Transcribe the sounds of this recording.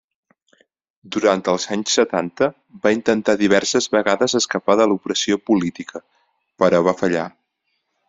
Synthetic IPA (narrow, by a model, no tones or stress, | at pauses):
d̪uɾant̪əlˠzaɲsːət̪ant̪ə | baint̪ənt̪aðiβ̞ɛrsəzβəɣaðəzəskəpaðəlupɾəsiopulit̪ikʰə | pəɾɔβafəʎa̰